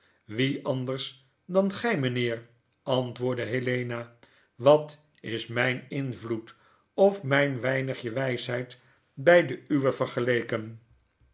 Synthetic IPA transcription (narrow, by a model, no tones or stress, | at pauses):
ʋiɑndəɹs | dɑnχɛjmənɪːr | ɑntʋʊːɹdəɦelejna | ʋɑt | ɪsmɛjnɪnvlut | ɔfmɛjnʋɛjnəχjəʋɛjsɦɛjt | bɛjdəyʋəvəɹχəlejkən